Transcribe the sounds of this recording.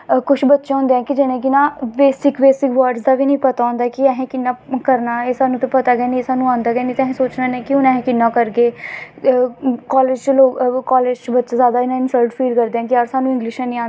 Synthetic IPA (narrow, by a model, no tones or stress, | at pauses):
kʊt͡ʃʰbətːʃãːɦʊ̃nd̪eːɛ̃ːkɪd͡ʒɪnẽːkɪnãːbeːsɪkbeːsɪkʋaːɾɖsd̪aːʋiːnəĩːpət̪aːõːnd̪aːkɪɛːɦẽːkɪnːaːkəɾnaːeːsaːnũːt̪ẽpət̪aːɡɛːnĩsaːnũãːnd̪aːɡɛːniːt̪ɛːɦẽsoːt͡ʃnaːnẽːkɪʊnɛ̃ːɦɛ̃ːkɪnːaːkəɾɡeː | kɔːleːd͡ʒt͡ʃloːkɔːleːd͡ʒt͡ʃbət̪ːt͡ʃːzaːd̪aːɪnãːɪnsəlʈfʰiːlkəɾd̪eːɛ̃ːkɪaːɾsaːnũːɪ̃ŋɡlɪʃɛ̃ːnĩːãːn